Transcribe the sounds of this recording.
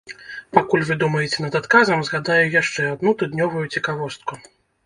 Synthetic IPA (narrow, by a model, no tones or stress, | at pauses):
pakulʲvɨd̪umɐjɛt͡sʲɛnɐd̪at̪kazɐmzɣad̪ajujaʂt͡ʂɛad̪nut̪ud̪nʲɔvujut͡sʲikavɔst̪̚ku